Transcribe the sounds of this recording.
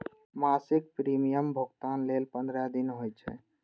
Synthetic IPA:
masɪk̚pɾimijəmbʱəɡt̪anlelpənd̪ɾad̪inɦojt͡ʃʰɛ̰

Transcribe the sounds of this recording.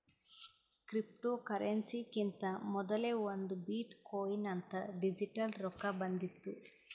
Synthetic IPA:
kɾipʈoːkɐɾensikint̪ɐmɔd̪ɐleːʋɐnd̪ubiːʈkoːjinɐnt̪ɐɖid͡ʒiʈɐlɾɔkːɐbɐnd̪it̪ːu

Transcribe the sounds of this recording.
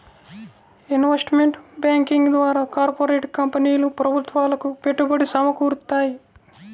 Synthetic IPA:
inʋesʈmeɳʈbjaːŋkiŋɡd̪ʋaːɾaːkaːɾpoɾeːʈkɐmpɐniːlupɾɐbʱut̪ʋaːlɐkupe̞ʈːubɐɽisɐmɐkuːɾut̪ːaːji

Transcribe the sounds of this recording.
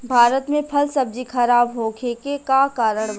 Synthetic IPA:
bʱaːɾət̪mẽpʰɐlsɐb̚d͡ʒixʰɐɾaːbɦoːkekekakaːɾəɽ̃

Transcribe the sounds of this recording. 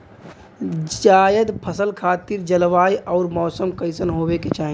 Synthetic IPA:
d͡ʒaːjəd̪pʰəsəlkʰaːt̪iɾd͡ʒəlʋaːjʔɔːɾmɔːsəmkəɪsənɦoːʋeket͡ʃaːɦĩ

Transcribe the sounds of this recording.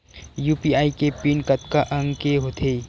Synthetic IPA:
juːpiaːikepinkət̪kaʔə̃ŋɡkeɦot̪ʰe

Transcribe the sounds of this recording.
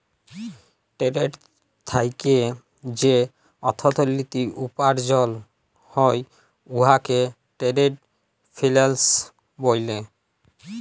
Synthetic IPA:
ʈeɾeʈ | t̪ʰajke | d͡ʑe | ɔt̪ʰot̪olːit̪iʔupaɾd͡ʑɔl | hɔj | uɦake | ʈeɾeʈ̚ | fʰilels | bojle

